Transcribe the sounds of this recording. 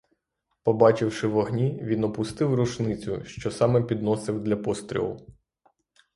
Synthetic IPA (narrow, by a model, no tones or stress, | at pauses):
pɔbɑt͡ʃɪwʃɪʋɔɦnʲiʋʲinɔpʊst̪ɪwɾʊʃnɪt͡sʲʊ̰ʃt͡ʃɔsɑmɛpʲid̪nɔsɪwd̪lʲɐpɔst̪ɾʲḭlˠʊ̰